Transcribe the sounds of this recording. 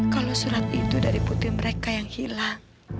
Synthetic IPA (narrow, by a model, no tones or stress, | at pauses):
kalosuɾat̪it̪udaɾiput̪ɪhməɾekajaŋhilaŋ